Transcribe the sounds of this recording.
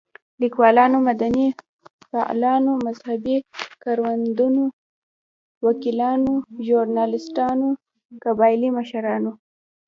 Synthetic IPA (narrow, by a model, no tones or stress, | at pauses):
likwɑlɑnomad̪ani | fa̰ʔlɑnomazhabikɑɾwand̪uno | wakilɑnoʒuɾnɑlɪsʈɑno | kabɑjɪlimaʃaɾɑno